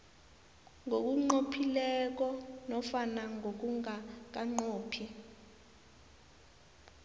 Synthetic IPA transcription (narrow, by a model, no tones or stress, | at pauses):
ŋok̬uŋ͡ǃopʰilɛk̬ɔnɔfanaŋʱok̬uŋak̬aŋ͡ǃoːpʰi